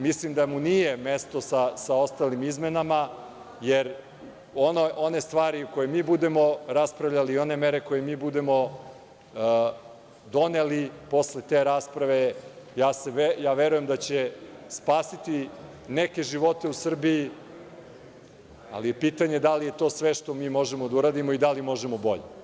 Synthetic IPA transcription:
mislimd̪amunijemest̪o̞sasao̞st̪alimizme̞nama | jeɾ | onoʔo̞ne̞st̪ʋaːɾiukojemiːbud̪e̞mo̞ɾaspɾaʋʎaliːo̞ne̞meɾe̞ko̞jemiːbud̪e̞mo̞ | d̪o̞nelipo̞sle̞t̪eːɾaːspɾaʋe̞jaːseʋejaːʋeɾuje̞md̪at͡ɕespaːsit̪i | neke̞ʒiʋo̞t̪e̞usr̩biji | a̰lije̞piːt̪aɲe̞d̪alije̞t̪o̞ːsʋeʃt̪o̞miːmo̞ʒemod̪auɾaːd̪imoid̪alimo̞ʒemo̞bo̞̰ʎḛ

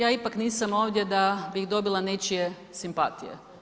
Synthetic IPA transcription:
jaːipakniːsamo̞ːʋd̪ʲje̞d̪abiɣd̪o̞bilˠane̞t͡ʃije | simpat̪ḭjḛ

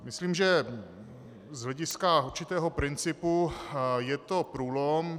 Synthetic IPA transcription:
mɪsliːmʒɛ | zɦlɛɟɪskauɾt͡ʃɪt̪ɛːɦopɾɪnt͡sɪpujɛt̪opɾuːlom

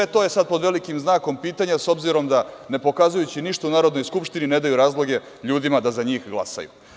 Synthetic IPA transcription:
et̪o̞ːje̞sad̪̚po̞d̪ʋe̞likimznaːko̞mpiːt̪aɲaso̞bziɾo̞md̪ane̞po̞kazujut͡ɕiniʃt̪ounaːɾod̪nojskupʃt̪inine̞d̪ajuɾaːzlˠo̞ɡe̞ | ʎuːd̪imad̪azaɲiːxɡlˠa̰sa̰jṵ

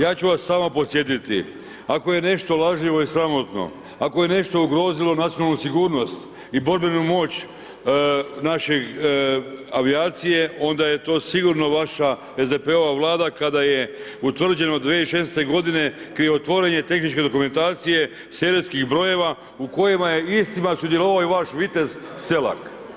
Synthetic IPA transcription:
jaːt͡ɕuʋasːaːmapo̞t̪sje̞t̪it̪ḭ | ako̞je̞ne̞ʃt̪o̞lˠaʒiʋo̞isɾamo̞t̪no̞̰ | ako̞je̞ne̞ʃt̪o̞uɡɾo̞ːzilˠo̞nat̪ijonalnusiɡuːɾno̞st̪ | ibo̞ɾbenumo̞ːt͡ɕ | naʃe̞ | aʋiaːt̪sije̞ʔo̞nd̪aje̞t̪o̞ːsiɡuɾno̞ʋaʃa | ezd̪epe̞o̞ʋaʋlˠaːd̪akad̪ajeut̪ʋr̩d͡ʑe̞no̞d̪ʋeːiʃesnest̪eɡo̞d̪ine̞kɾieot̪ʋo̞ɾeɲe̞t̪e̞xnit͡ʃke̞d̪o̞kument̪aːt̪sije̞ | seɾeskixbɾo̞je̞ʋa | uko̞jemajeist̪imasud̪je̞loʋaoiʋaʃʋit̪e̞zse̞la̰k

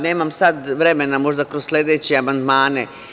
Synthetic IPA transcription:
ne̞ːmamsad̪ʋɾe̞me̞namo̞ʒd̪akɾosslʲeːd̪et͡ɕeamand̪maːne

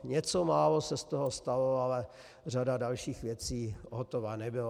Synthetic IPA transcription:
ɲɛt͡somaːlosɛst̪oɦost̪aloalɛ | r̝adadalʃiːxvjɛt͡siːɦot̪ovanɛbɪla

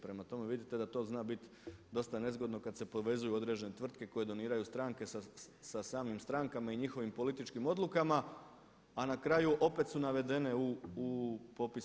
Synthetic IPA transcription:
pɾe̞mat̪o̞me̞ʋid̪it̪e̞d̪at̪o̞ːznaːbit̪ | d̪o̞st̪ane̞zɡo̞d̪no̞kad̪se̞poʋe̞zujuo̞d̪ɾe̞d͡ʒene̞t̪ʋr̩t̪̚ke̞ko̞je̞d̪o̞niːɾajust̪ɾaŋke̞sasasaːmimst̪ɾaŋkamaiɲixo̞ʋimpo̞lit̪it͡ʃkimo̞d̪lukamaː | nakɾajuʔo̞pe̞t̪sunaʋe̞d̪e̞ne̞uː | po̞pi

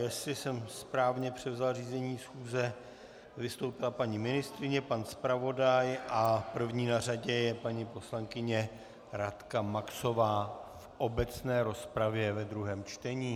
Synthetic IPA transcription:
jɛsɪsɛmspɾaːvɲɛpr̝̥ɛvzalriːzɛɲiːsxuːzɛ | vɪst̪owpɪlapaɲimɪnɪst̪ɾɪɲɛpanspɾavo̞dajʔapr̩vɲiːnaraɟɛjɛpaɲipo̞slaŋkɪɲɛ | ɾat̪kamakso̞vaːfʔo̞bɛt͡snɛːɾo̞spɾavjɛvɛd̪ɾuɦɛːmt͡ʃt̪ɛɲiː

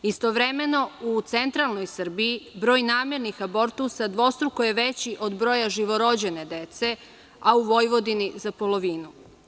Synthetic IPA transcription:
ist̪o̞ʋɾeme̞no̞ut̪se̞nt̪ɾalˠno̞jsər̩biːbɾo̞ːjnaːmje̞ɾnixabo̞ɾt̪usad̪ʋo̞st̪ɾukoje̞ʋe̞t͡ɕiʔo̞d̪bɾo̞jaʒiʋo̞ɾo̞d͡ʑe̞ne̞d̪e̞t̪se̞ | auʋo̞jʋo̞d̪inizapolˠo̞ʋiːnu

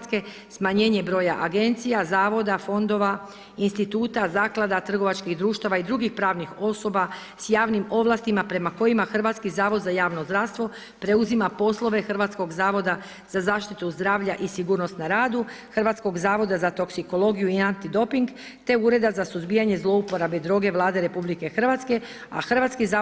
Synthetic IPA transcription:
ske̞ | smaɲe̞ːɲe̞bɾo̞ːjaʔaɡe̞nt̪sijazaːʋo̞d̪afo̞nd̪o̞ʋa | inst̪it̪uːt̪azaːklˠad̪at̪r̩ɡo̞ʋat͡ʃkiɣd̪ɾuːʃt̪aʋaid̪ɾuɡixpɾaːʋnixo̞so̞ba | sjaːʋnimo̞ʋlast̪imapɾe̞mako̞jimaxr̩ʋat̪skizaːʋo̞d̪zajaːʋno̞zd̪ɾaʋst̪ʋo̞ | pɾe̞uzimapo̞slˠo̞ʋe̞xr̩ʋat̪sko̞ɡzaːʋo̞d̪a | z̥azaːʃt̪it̪uzd̪ɾaːʋʎaʔisiɡuɾno̞st̪naɾaːd̪u | xr̩ʋat̪sko̞ɡzaːʋo̞d̪azat̪o̞ksiko̞lˠo̞ɡijuiant̪id̪o̞piŋɡ | t̪e̞uɾe̞d̪azasuzbijaɲe̞zlˠo̞upo̞ɾabed̪ɾo̞ːɡe̞ʋlˠaːd̪e̞ɾe̞publike̞xr̩ʋat̪ske̞ | a̰xr̩ʋat̪skiza

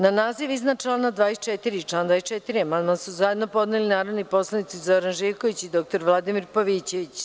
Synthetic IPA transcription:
nanaːziʋiznat͡ʃlˠaːnad̪ʋaːjest͡ʃet̪iɾit͡ʃlˠaːnd̪ʋaːest͡ʃet̪iɾiemanmansuzaje̞d̪nopo̞d̪nelinaːɾoʋnipo̞slˠanit̪sizo̞ɾanʒiɾko̞ʋit͡ɕid̪o̞k̚t̪o̞ɾʋlˠad̪imiɾpoʋiːt͡ɕe̞ʋit͡ɕ

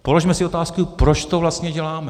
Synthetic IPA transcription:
po̞lo̞ʒmɛsɪo̞t̪aːskupɾot͡ʃt̪o̞vlast̪ɲɛɟɛlaːmɛ

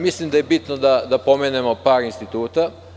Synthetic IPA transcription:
mislimd̪aje̞bit̪nod̪ad̪apo̞meːnemo̞paːɾinst̪it̪uːt̪a

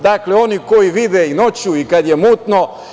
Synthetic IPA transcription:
d̪akleo̞nikojiʋid̪ɛino̞t͡ɕuikad̪jemuːt̪no

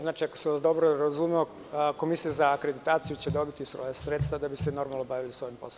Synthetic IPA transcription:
znaːt͡ʃiakoseʋasd̪o̞bɾoɾazumeo | ko̞misijazaːkɾe̞d̪it̪aːt̪sijut͡ɕed̪o̞bit̪isʋo̰jesɾeːt̪st̪vad̪abiseno̞ɾmalˠnobaʋilisʋo̞jimpos

